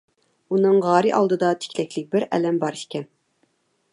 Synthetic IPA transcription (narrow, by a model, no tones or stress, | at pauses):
unɨŋʁɑːɾɨʔɑ̰lˠd̪ɨd̪ɑt̪ʰɪ̥kʲlɛkʲlɪk̚ʲbɪɾɛ̰lɛmbɑɾiʃkʲɛn